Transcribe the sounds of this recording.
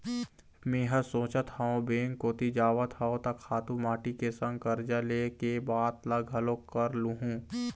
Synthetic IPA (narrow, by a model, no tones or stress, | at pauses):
meːɦəsõːt͡ʃət̪haõbeːŋkoːt̪id͡ʒaːʋət̪ɦaõt̪ɐkʰːaːt̪umaːʈikesə̃ŋɡ̚kɐɾd͡ʒaleːkebaːt̪laɡʱɦɐlõkəɾluɦũː